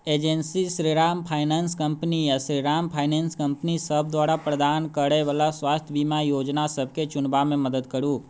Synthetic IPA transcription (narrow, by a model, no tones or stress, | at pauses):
ed͡ʒensiʃɾiɾampʰajnanskəmpnijaʃɾiɾampʰajnenskəmpnisəb̚d̪ʋaɾapɾəd̪ankəɾeʋəlasʋast̪ʰjəbimajoːd͡ʒnasəb̚ʱket͡ʃʊnbamẽməd̪əd̪kəɾũː